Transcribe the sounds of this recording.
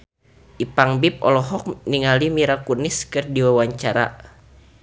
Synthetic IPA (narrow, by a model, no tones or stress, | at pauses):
ʔipaŋbip̚ɔ̰lɔɦɔk̚niŋalimiɾakuniskɨrdiwawaɲt͡ʃaɾa̰